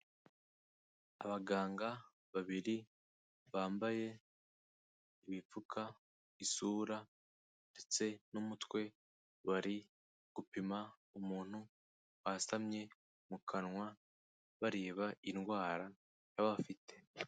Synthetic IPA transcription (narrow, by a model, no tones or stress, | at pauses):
a̰βaɡaːŋɡa | βaβiɾi | βaːmbaje̞ | iβip͡fukʰa | isuːɾa | nde̞t͡se̞numutwe̞ | βaɾi | ɡ̥upima | umuːn̥hu | wasamɲe̞ | mukʰanŋwa | βaɾeːβainɡwaːɾa | jaβafite̞